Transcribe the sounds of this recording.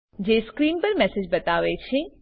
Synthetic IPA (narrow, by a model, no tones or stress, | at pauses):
d͡ʒeskɾiːnpəɾmɛsed͡ʒbət̪aʋet͡ʃʰe